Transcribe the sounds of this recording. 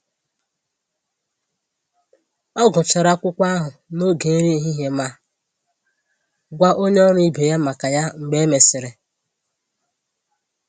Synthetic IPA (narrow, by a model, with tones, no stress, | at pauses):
ɔ˦ɡʊ˨t͡ʃa˨ɾa˦kʷʊ˦kʷa˦ɦʊ˨no˦ɡe˨˦ɾe˦ɦi˦ɦe˦ma˦ | ɡʷa˦ʔo˦ɲe˦ɔ˦ɾi˦be˨ja˦ma˨ka˨ja˦ŋ͡m̩˨ɡ͡be˦me˨sɪ˨ɾɪ˨